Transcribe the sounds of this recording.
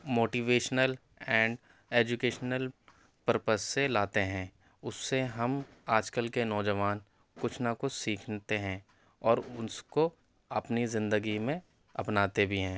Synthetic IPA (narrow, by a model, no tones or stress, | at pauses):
moːʈiːʋeːʃnəl | ɛ̃ːɳɖ | eːd͡ʒʊkeːʃnəl | pəɾpəsːelaːt̪eɦɛ̃ː | ʊsːeɦɐm | aːd͡ʒkəlkenɔːd͡ʒəʋaːn | kʊt͡ʃʰnakʊt͡ʃʰsiːkʰnt̪eɦɛ̃ː | ɔːɾʊnsko | ɐpnizɪ̃nd̪əɡimẽ | ɐpnaːt̪ebʱiɦɛ̃ː